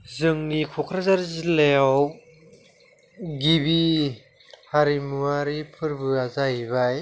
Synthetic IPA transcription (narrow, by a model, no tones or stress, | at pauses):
zɯŋnikʰɔkʰɾazaɾzileaw | ɡibi | haɾimuaɾipʰɯɾbɯazaibaj